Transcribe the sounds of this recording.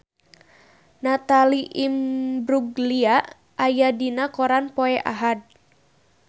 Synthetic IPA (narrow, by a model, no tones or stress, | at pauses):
nat̪aliʔimbɾuɡliaʔ | ʔajadinakoɾanpoɛʔa̰ɦad̚